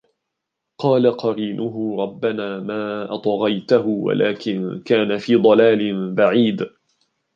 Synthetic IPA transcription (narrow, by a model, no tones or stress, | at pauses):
qɑːlaqɑɾiːnʔʊɦʊɾˤɑbːanaːmaːʔɑt̪ˤɣɑjt̪ahʊwa̰lʔaːkɪnkaːnafiːd̪ˤɑlaːlɪnbaʕiːd̪